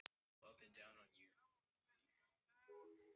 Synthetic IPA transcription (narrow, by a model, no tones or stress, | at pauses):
ʌpɨ̃ndãʊ̃nə̃njʉ